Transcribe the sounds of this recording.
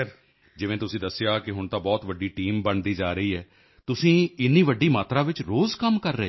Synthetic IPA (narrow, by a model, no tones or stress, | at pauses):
ɾ | d͡ʒɪʋẽːt̪ʊsĩːd̪əsːɪjaːkɪɦʊɳt̪ãːbɔːt̪ʋəɖiːʈiːmbəɳd̪iːd͡ʒaːɾəiːɦɛː | t̪ʊsĩːɪnːiːʋəɖːiːmaːt̪ɾaːʋɪt͡ʃɾoːzkəmkəɾːəeː